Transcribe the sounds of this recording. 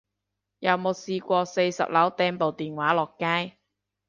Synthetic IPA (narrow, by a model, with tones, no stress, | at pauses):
jɐ˨˩wmo˨˧wsiː˧kʷɔː˧se˧jsɐ̰˨p̚lɐ˨˥wt̪ɛː˥npo˨wt̪iː˨nwaː˨˥lɔː˨kːaː˥j